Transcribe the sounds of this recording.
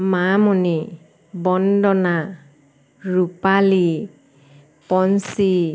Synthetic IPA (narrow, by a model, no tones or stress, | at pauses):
mamɔni | bɔndɔna | ɹupali | pɔnsi